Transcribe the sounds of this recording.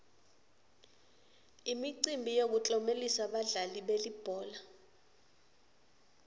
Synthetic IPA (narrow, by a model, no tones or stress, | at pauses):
imiǀimbʱijok̬ut͡ɬʼɔmelisaɓaɮaliɓelib̥ʱɔːla